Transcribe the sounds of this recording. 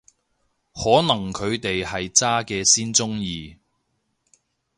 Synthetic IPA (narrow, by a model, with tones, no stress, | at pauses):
hɔː˨˥nɐ˨˩ŋkʰɵ˨˧ɥt̪e˨jhɐ˨jt͡saː˥kɛː˧siː˥nt͡sʊ˥ŋjiː˧